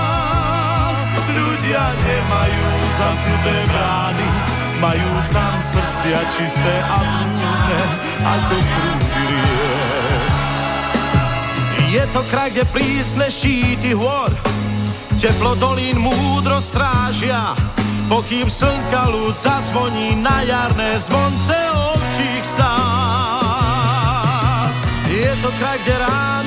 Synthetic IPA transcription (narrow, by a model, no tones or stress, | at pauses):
luɟɪaɲɛmajuː | zaxut̪ɛːbɾaːni | majuːt̪amsr̩t͡sɪat͡ʃist̪ɛːʔabut̪unɛ | a̰kɔkɾuːbiɾiɛ | jɛt̪ɔkɾaɛpɾiːsnɛʃciːt̪iɦʊɔɾ | cɛplɔd̪ɔliːnmuːd̪ɾɔst̪ɾaːʒɪapɔkiːmsl̩ŋkaluːdzazʋɔɲiːnajaɾnɛːzʋɔnt͡sɛɔpt͡ʃixst̪aː | jɛt̪ɔkɾajɡɟɛɾaː